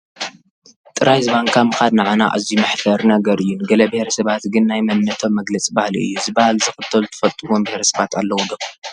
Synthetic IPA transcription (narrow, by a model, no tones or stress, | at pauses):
t̪ʼɨɾajzɨβaŋkʰamɨxad̪naʕana̰ʔa̰zimɐħfɐɾnɐɡɐɾʔɨjːunɡɐlɐbehɾɐsɐβat̪ɡɨnːajmɐnːɐt̪ʰo̞mːɐɡlɐt͡sʼibahlḭɨ̰jːuzɨbahalzɨxɨt̪ʰːɐlut̪ʰɨ̥fɐlt̪ʼuwombɪheɾɐsɐβat̪ʰalːɐwod̪ɐkːo